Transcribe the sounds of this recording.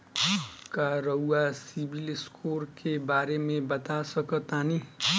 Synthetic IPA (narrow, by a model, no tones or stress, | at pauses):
kaɾəwasibʱilɪskʰoɾkebaːɾemẽbət̪asəkət̪ani